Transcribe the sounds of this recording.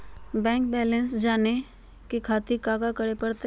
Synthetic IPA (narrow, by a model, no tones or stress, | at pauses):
bɛ̃ːŋk̚bɛːlə̃nsd͡ʒaːne | kekʰaːt̪ikaːɡakəɽepɐɽt̪